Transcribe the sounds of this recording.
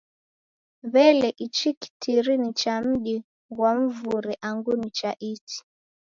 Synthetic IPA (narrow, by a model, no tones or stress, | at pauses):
βɛlɛʔit͡ʃiki̥tʰiɾinit͡ʃam̩ʄi | ɣwam̩vuɾɛʔaŋɡunit͡ʃaʔit͡ʃi̥